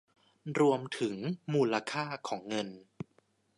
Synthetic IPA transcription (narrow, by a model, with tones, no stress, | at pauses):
ɾu˧əmt̪ʰɯ˩˦ŋmuː˧la˧kʰaː˥˩kʰɔː˩˦ŋːɤ˧n